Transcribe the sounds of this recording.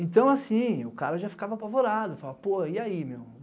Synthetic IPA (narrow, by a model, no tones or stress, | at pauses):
ẽnt̪ɐ̃w̃asĩʊkaɾɐʒafi̥kavɐapavoɾad̪ʊfalavɐpoɐiaimew